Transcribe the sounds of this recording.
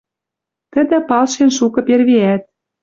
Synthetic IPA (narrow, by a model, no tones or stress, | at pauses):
t̪ə̆d̪ə̆pɑlʃenʃukɤ̆perβeæt̪̚